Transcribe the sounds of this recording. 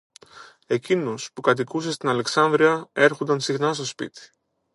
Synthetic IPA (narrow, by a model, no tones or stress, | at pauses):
e̞cinuspukɐt̪̬ikusest̪inɐle̞ksɐnd̪ɾiɐe̞ɾxo̞nd̪ɐnsixnɐst̪o̞spḭt̪i̥